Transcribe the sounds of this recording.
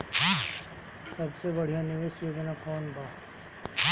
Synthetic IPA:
sɐbsebəɽ̤ijanɪʋeːʃjoːɡnakɔːnbʱaː

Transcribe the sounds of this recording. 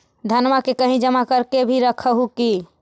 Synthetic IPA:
d̪ʱənmakekəɦĩd͡ʒəmakəɾkebʱiɾəkʰəɦuki

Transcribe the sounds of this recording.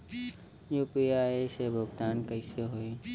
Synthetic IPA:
juːpiaːesebʱʊɡt̪aːnkəiseɦoe

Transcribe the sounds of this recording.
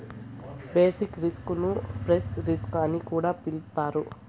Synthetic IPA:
beːsikɾiskunupɾesɾiskanːikuːɽaːpiɭt̪aːɾu

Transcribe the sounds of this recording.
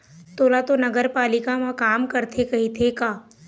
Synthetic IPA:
t̪oːlat̪onɐɡəɾpaːlɪkamãkaːmkɐɾt̪ʰekɐɦit̪ʰekaː

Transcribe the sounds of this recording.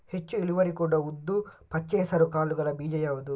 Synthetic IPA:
he̞t͡ʃːuiɭiʋɐɾikuɽɐud̪ːupɐt͡ʃːɛːsɐɾukaːɭuɡɐɭɐbiːd͡ʒɐjaːʋud̪u

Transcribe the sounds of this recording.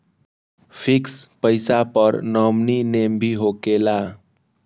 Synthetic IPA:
pʰikspəɪsapəɾnəmninembʱiɦokela

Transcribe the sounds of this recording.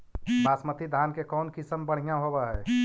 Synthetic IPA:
baːsmət̪ʰid̪ʱaːnkekɔːnkɪsəmbəɽ̤ijãɦobaɦɛː

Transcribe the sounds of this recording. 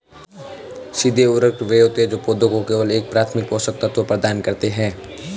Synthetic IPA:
sɪd̪ʱeʊɾəkʈʋeɦoːt̪eɛd͡ʒoːpoːd̪ʱõkokeːʋəleːk̚pɾaːt̪ʰmɪk̚poːsək̚t̪ɐt̪ʋəpɾɐd̪aːnkɐɾt̪eɦɛ̃ː

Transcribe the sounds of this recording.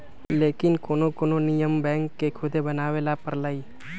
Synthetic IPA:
leːkɪnkoːnokoːnonɪjəmbɛ̃ːŋkːekʰʊd̪ebənaːʋeːlapəɾlaːi

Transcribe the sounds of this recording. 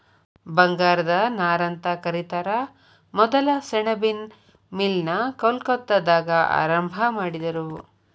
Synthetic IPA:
bɐŋɡaːɾɐd̪ɐnaːɾɐnt̪ɐkɐɾit̪ɐɾɐ | mɔd̪ɐlɐsɛɳɐbin | milnɐkɐlkɐt̪ːɐd̪aːɡɐʔa̰ːɾɐmbʱɐmaːɽid̪ɐɾu

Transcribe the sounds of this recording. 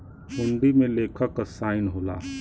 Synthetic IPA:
ɦʊnɖ̪imẽleːkʰəkːsaːɪnɦoːlaː

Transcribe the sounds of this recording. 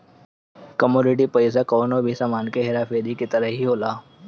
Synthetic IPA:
kəmuːnɪʈ̬ipɐɪsakɔːnobʱisaːmaːnkeɦɪɾaːfeːɾikit̪əɾəɦɦiɦoːlaː

